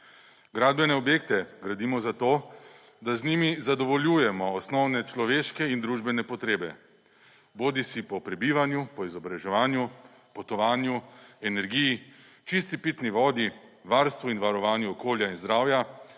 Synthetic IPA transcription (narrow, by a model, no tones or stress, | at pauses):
ɡɾaːd̪̚bɛnɛɔbjeːkt̪ɛɡɾad̪iːmɔzat̪oː | d̪aznimizad̪ɔʋɔljuːjɛmɔːsnɔwnɛt͡ʃlɔʋeːʃkɛind̪ɾuːʒbɛnɛpɔt̪ɾeːbɛ | boːd̪isipɔpɾɛbiːʋanjupɔizɔbɾaʒɛʋaːnju | pɔt̪ɔʋaːnjuɛnɛɾɡiji | t͡ʃist̪ipit̪niʋɔːd̪iʋaːɾst̪ʋuinʋaɾɔʋaːnjuɔkoːljainzd̪ɾaːwja